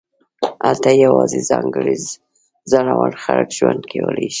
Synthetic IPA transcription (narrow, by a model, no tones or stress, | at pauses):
alt̪ajawɑzezɑŋɡəɾiz | zanawanxaləkʒ̥wand̪kʰewəlaʃi̥